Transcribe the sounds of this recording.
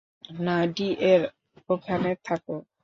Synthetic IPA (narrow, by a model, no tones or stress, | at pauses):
naɖiʔɛɾ | okʰanet̪ʰakɔ